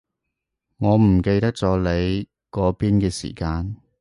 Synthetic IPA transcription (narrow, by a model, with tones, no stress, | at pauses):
ŋɔː˨˧m̩˨˩ke˧jt̪ɐ˥k̚t͡sɔː˨˥le˨˧j | kɔː˨˥piː˥nkɛː˧sḭː˨˩kaː˧n